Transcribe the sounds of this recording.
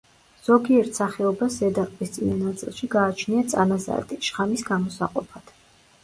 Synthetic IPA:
z̥ɔɡiɛɾt̪ʰsaχɛɔbaszɛd̪aɾkʼvʼist̪sʼinanat̪sʼḭlˠʃiɡaːt͡ʃʰniat̪sʼa̰naza̰ɛ̰t̪ʰʼiʃχamisɡamɔsaqʼɔpʰad̪̥

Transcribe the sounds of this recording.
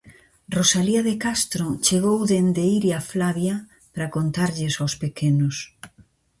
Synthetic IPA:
rosaliaðekast̪ɾot͡ʃeɣowðend̪eiɾiaflaβja | pɾakont̪aɾʎɪsawspekenʊs

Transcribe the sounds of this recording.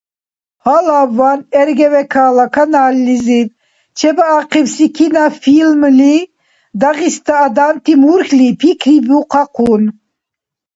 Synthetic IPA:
halavːanɛɾɡɛvɛkʰalakʰanalːiziv | t͡ʃʰɛbaaqivsikʰinafilmli | d̪aɣist̪ʰaːd̪ant̪ʰimuɾxlipʰikʰɾibuqʰɑqʰun

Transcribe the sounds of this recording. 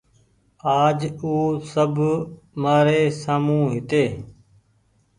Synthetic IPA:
aːd͡ʒuːsəbʱ | maːɾeːsaːmũːɦɪt̪eː

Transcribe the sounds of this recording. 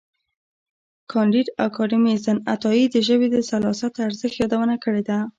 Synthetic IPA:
kʰɑnd̪iɾa̰kʰɑɾimizana̰t̪ɑjid̪əʒəbed̪əsalɑsat̪aɾzəxjɑd̪awənakəɽed̪a

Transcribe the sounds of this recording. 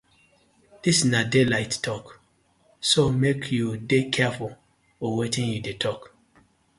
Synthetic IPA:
d̥isnadelaɪttʰːɔk | somekʰjudekʰɛful | ɔwetĩnjudetʰɔk

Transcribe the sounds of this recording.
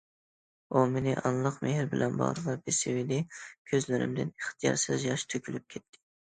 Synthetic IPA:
umenɪʔɑnlˠəqmehɪɾbɪlʔɛnbɑ̰ʁɾvɑbesɪwid̪ɪkʲʰøzlɪɾɪ̰md̪ɪneχt̪ʰɨjɑ̰ɾsɨzjɑʃt̪ʰøkʲʰylyp̚kʲʰɛt̪ʰːɪ̥

